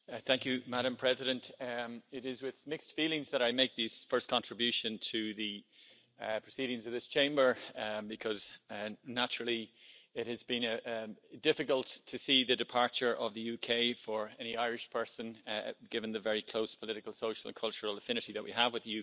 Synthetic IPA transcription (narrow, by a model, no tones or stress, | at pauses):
θæ̃ŋkjɨmaɾə̃mpʰɹ̥ɛzɪɾɨ̃ntɪɾɪzwɪð̥mɪkstfilˠɪ̃ŋzðəɾaɪmeɪk̚ðiz̥fɜ˞skʰɑ̃ntɹ̥ɨbjʉʃɨ̃ntʰɨðɨ | pʰɹ̥ɨsiɾɪ̃ŋzʌvðɪst͡ʃʰẽɪ̃mbə˞bɨkʰʌznæt͡ʃɹl̩ˠiɪt̚hɨzbɨ̃n | dɪfɨkəlˠtʰɨsiðɨdɨpʰɑɹt͡ʃə˞ʔʌvðɨjʉkʰeɪfə˞ɛñiaɪɹɨʃpʰɜ˞sə̃nɡ̥ɪvə̃nðɨvɛɹikʰl̥oʊspʰəlɪɾɨkəlˠsoʊʃəl̩ə̰̃nkʰʌlˠt͡ʃəɹl̩ˠəfɪ̃ñɨɾiðəʔ̚wḭəvwɨðəjʉ